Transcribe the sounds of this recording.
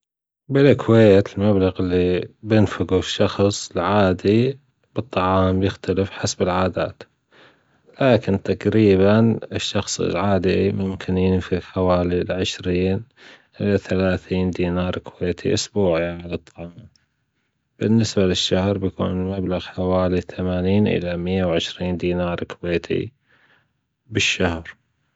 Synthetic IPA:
bɪlkʰweːt̪ɪlmablaɣɪlːibjɪnfɪɡuʃːɑxsˤlʕaːd̪i | b̥ɨt̪ˤːɑʕɑːmbjɪxt̪alɪfħasbɪlʕaːd̪a̰ːt̪ | laːkɪnt̪aqɾiːβanɪʃːɑxsˤlʕaːd̪imʊmkʰɪnjɪnfɪɡħawaːlilʕɪʃɾiːn | ʔɪlaθalaːθiːnd̪iːnɑːɾˤkweːt̪ʰḭʔʊsbuːʕiʕalɑt̪ˤʰːɑma | b̥ɪnːɪsbalɪʃːahɾbjakṵːnmablaɣħawaːliθamaːniːnʔɪ̰lamɪjːawʕɪʃɾiːnd̪iːnɑːɾˤkweːt̪ʰḭ | bɪʃːahɾ

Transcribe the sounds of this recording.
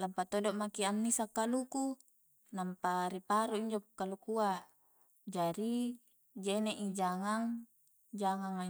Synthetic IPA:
lampat̪odoʔmakianːisakːaluku | nampaɾipaɾuiɲd͡ʒopkːalukua | d͡ʒaɾi | d͡ʒeneʔid͡ʒaŋaŋ | d͡ʒaŋaŋa

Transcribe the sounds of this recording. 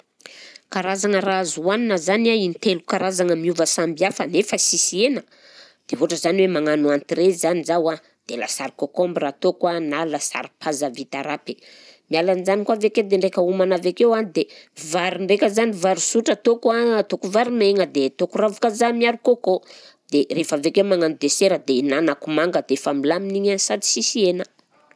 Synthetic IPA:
kaɾazaŋərazuwaninəzanainit̪elukaɾazaŋəmiuvəsambiafənefəsisienə̥ | d̪̥eɦoʈ͡ʂəzaniwemaŋanuant̪iɾezanizawa | d̪̥ela̰saɾikokombirat̪okwanalasa̰ɾipʰazavit̪aɾape | mialanizanikwaveked̪eɳɖ͡ʐekʲəumanavekewanid̪evaɾiɳɖ͡ʐekʲəzanivaɾusuʈ͡ʂət̪okwat̪okuvaɾumeŋəd̪et̪okuravukazamiaɾukoko | d̪̥erefavekemaŋanud̪eseɾəd̪enanakumaŋɡəd̪eefamilaminiɲasad̪i̥sisienə

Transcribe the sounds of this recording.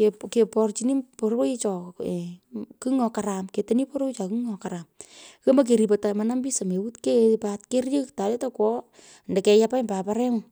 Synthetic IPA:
kekepɔrt͡ʃiniporoit͡ʃɔ | kɯŋɔkaɾamketenipoɾoit͡ʃakɨŋɔkaɾamkemak̬eɾipotamanambisamewutkepatkerjəktaletakwɔ | ndɛkɛjapambapaɾɛŋ

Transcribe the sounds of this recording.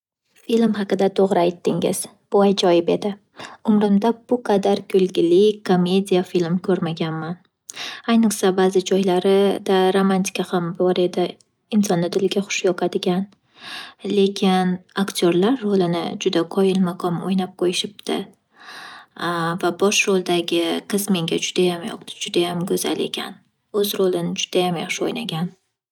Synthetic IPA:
filmɦɑqɨd̪at̪ʰoʁɾɪajt̪ːɪŋɪ̰z̥ | b̥ʊajd͡ʒɒjɪpe̞d̪ɪ | ʊmɾɪmd̪abʊqʰɑd̪aɾkʲʰɵlˠɡʲɪlɪkʰːome̞d̪ʲijafilmkʰɵɾmaɡʲanman | ajnɨqsabazɪd͡ʒɒjlaɾɪd̪aɾomant̪ʰɪ̥kʲahambɒɾe̞d̪ɪ | ɪnsɒnːɪd̪ɪlɡʲaχʊ̥ʃjɒqʰɑd̪ɪɡʲan | le̞kʲʰɪnakt̪ʰʲoɾlaɾːolɪnɪ̰d͡ʒʊd̪aqʰɒjɪlmaqʰɒmo̰jnap̚qʰojɪʃɪp̚t̪ʰɪ̰ | vabɒʃɾolˠd̪aɡʲɪqʰɨzme̞ŋɡʲad͡ʒʊd̪ajamjɒ̰qt̪ɪd͡ʒʊd̪ajamɡɵza̰le̞̰kʲʰa̰n | ɵzɾolɪnɪd͡ʒʊd̪̥ajamjaχʃɪojnaɡʲan

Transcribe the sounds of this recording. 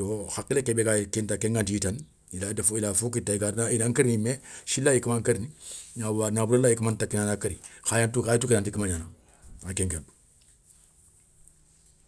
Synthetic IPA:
oxakːilekebekakintakeŋɡantiitan | iladafuilafukitaikanainaŋkaɾinimeʃilːajikəmaŋkaɾiniɲawanabuɾalːajikəmantakːinanakaɾixajantukaitukinantikimaɲana | akɛŋkeb

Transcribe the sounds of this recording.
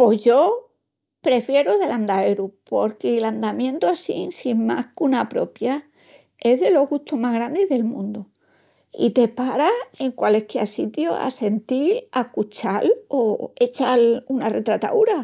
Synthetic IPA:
po̞ʝo̞ | pɾe̞fje̞ɾoðe̞land̪aeɾupo̞ɾkeland̪amjẽ̞nt̪uasinsimma̰hkunapɾo̞̰pja | e̞ɦðe̞lo̞ɣɣut̪oɦmaɦɣɾand̪eðe̞lmũnd̪o | ḭt̪e̞paɾae̞ŋkwalehkeasit̪joa̰se̞nt̪ilakut͡ʃaloe̞t͡ʃalunare̞t̪ɾat̪a̰uɾa

